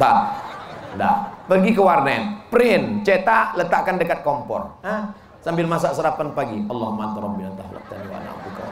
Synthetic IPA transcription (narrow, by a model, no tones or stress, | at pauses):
t̪a | nda̰pərɡikəwarnaɛnpɾɪnt͡ʃet̪aʔlət̪aʔkandəkat̪̚kɔmpɔ̰ra | sambɪlmas̬aʔsəɾapanpaɡiʔɑlːɑhmant̪aɾɔb̚ːinant̪aɦla̰k̚t̪aniwa̰a̰na̰mt̪uka̰